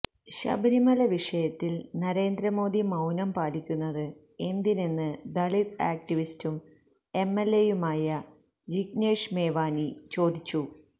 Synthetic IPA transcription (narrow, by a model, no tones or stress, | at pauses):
ɕɐ̰bɐɾimɐlɐʋiʂɐjɐt̪ːilnɐɾe̞ːnd̪ɾɐmo̞ːd̪imɐwnɐmpaːlikʲːunːɐðɨ | e̞nd̪inenːɨd̪ɐɭit̪a̰ːk̚ʈiʋistum | e̞mːelːejumaːjɐ | d͡ʑiɡne̞ːʂme̞ːʋaːnit͡ɕo̞ːd̪it͡ɕːu